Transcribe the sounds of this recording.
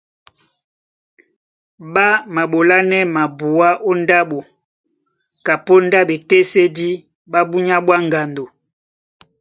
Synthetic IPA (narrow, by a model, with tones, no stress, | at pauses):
ɓa˦ma˨ɓo˨la˦nɛ˦ma˨bu˨a˦ʔo˦n˦da˦ɓo˨ | ka˨po˦nda˦be˨te˦se˦di˦ | ɓa˦bu˦ɲa˦ɓwa˦ŋɡa˨ndo˨